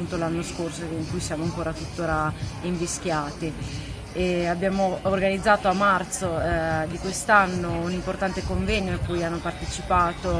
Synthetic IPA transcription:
unt̪olanːoskorsoiŋkujsjaːmoaŋkoːɾat̪ut̪ːoːɾaiɱvisk̟jaːt̪e | eabːjaːmoːrɡanid̪zːaːt̪oamːart̪sod̪ikwest̪anːounimport̪ant̪ekoɱvɛɲːoakːujanːopart̪et͡ʃipaːt̪o

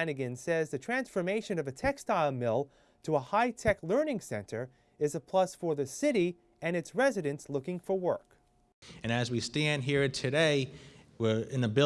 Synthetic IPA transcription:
nɨɡɨ̃nsɛzðɨtʰɹ̥æ̃nsfə˞meɪʃɨ̃nʌvɨtʰɛkstaɪlˠmɪlˠ | tʰəəhaɪtʰɛklɜ˞nɪ̃ŋsɛ̰̃ntʰə˞ | ɨzəpʰl̥ʌsfə˞ðɨsɪɾi | ɨ̃nɨtsɹɛzɨɾɨ̃nslʊkɪ̃ŋfə˞wɜ˞k | ɨ̃nɨzwistæ̃nd̚ɦiɹɨtʰɨɾeɪ | wɪɹɨ̃nðɨbɪ

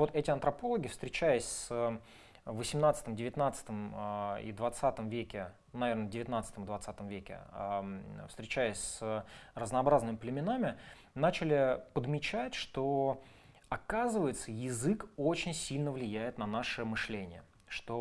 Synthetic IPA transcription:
vo̞t̪ɛtʲɪɐnt̪ɾɐpo̞lˠəɡʲɪfst̪ɾʲɪt͡ɕæjɪsʲsə | vəsʲɪmnat̪sə̥t̪əmdʲɪvʲɪt̪nat̪sə̥t̪əmḭd̪vɐt̪sat̪əmvʲekʲɪ | nɐvʲe̞rnədʲɪvʲɪt̪nat̪sət̪əmd̪vɐt̪sat̪əmvʲekʲɪ̰əfst̪ɾʲɪt͡ɕæjɪsʲsərəznɐːbɾaznɨmʲɪplʲɪmʲɪnamʲɪ | nat͡ɕɪlʲɪpəd̪mʲɪt͡ɕætʲʂt̪o | ɐkazɨvəjɪt̪səjɪzɨkot͡ɕɪnʲsʲilʲnəvlʲɪjæjɪt̪nɐnaʂɨmɨʂlʲenʲɪjə | ʂt̪o

